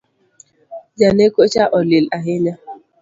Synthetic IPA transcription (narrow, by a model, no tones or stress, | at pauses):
d͡ʒanekot͡ʃaʔɔlɪlaɦɪɲa